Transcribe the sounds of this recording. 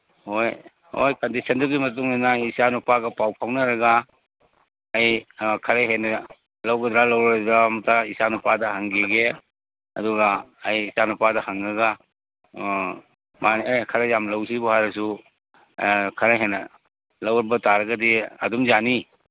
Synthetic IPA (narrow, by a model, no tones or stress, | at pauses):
hoj | ho̰jkɐndisʰɐnduɡimɐt̬uŋinaisanupaɡɐpawpʰawnɐɾɐɡɐ | jkʰɐɾeɦenɐ | lɐwɡɐd̪ɾalɐwɾdɾamutaisanupadɐhaŋɡiɡe | ɐ̰duɡɐːjisanupadɐhaŋɾɐɡa | maniajkʰɐɾejamlɐws̬ibuhaɾɐs̬u | kʰɐɾaɦenɐ | lɐwɾbɐtaɾɐɡɐdiɐ̰dumzani